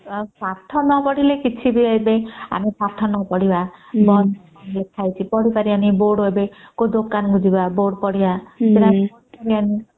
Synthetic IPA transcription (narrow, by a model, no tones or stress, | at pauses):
papʈʰɔnɔpɔɽilekit͡ʃʰibiejbea̰misʰak̚ʈʰɔnɔpɔɽibabɔ | anlet̪ʰajt͡ʃʰipɔɽipaɾianiboɖebekod̪okanɡud͡ʒibaboɖpɔɽibaselaɔɽipaɾiani